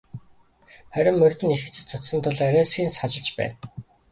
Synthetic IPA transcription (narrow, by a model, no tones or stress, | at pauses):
χæɾʲɪ̆mːɵrʲt̪ɘ̆nixɘ̆t͡ɕɘ̆t͡sʰʊt̪sə̆nt̪ʰʊɮæɾæːsɡʲiːnsχat͡ɕɪ̆ɮt͡ɕpæ̰ːn